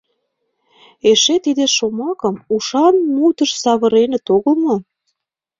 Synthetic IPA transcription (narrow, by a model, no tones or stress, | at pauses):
eʃet̪id̪eʃomɑkə̆muʃɑnmut̪əʃsɑβə̆ɾenə̆t̪oɣə̆lmo